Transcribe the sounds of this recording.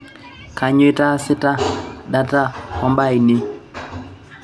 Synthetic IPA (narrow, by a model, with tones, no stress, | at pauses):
ka˨ɲ˦e˦ta˦sɪ˦ta˦da˦ta˦hɔ˨˦mba˦i˨nɪ˦